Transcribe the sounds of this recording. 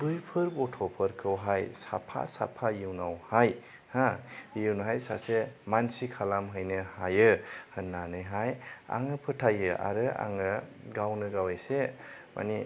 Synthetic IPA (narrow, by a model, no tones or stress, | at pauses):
ɡɯjpʰɯɾbɔtʰɔpʰɯɾkʰɯwɦajsa̰pʰa̰sa̰pʰajiwnawhaj | hãjiwnɦajsasemansikʰalamɦɯjnɯhajɯhɯnːanɯjɦaja̰ŋɯpʰɯtʰajɯʔa̰ɾɯa̰ŋɯɡawnɯɡawajse | mʔa̰ni